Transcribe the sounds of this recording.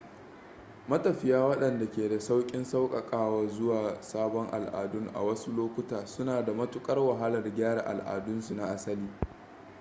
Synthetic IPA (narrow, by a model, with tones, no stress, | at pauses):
mɐ˦tɐ˨ɸɪ˨jaː˦wɐ˦ɗɐ˨nda˨kʲeː˨da˨sa˦wkʲʼɪ˦nsa˦wkʼɐ˨kʼaː˦waː˨zʊ˦waː˨saː˦bɔ˦ŋʔa̰˨lʔa̰ː˨dʊ˦ŋʔa̰˨wɐ˦su˦loː˦kʷʊ˦taː˨sʊ˦naː˨da˨mɐ˦tʊ˦kʼɐ˦rwa˨ɦa˦lɐ˨rɡʲaː˦ɽa̰˨ʔa̰˨lʔa̰ː˨dʊ˦nsu˨na˦˨ʔa˦sɐ˦liː˦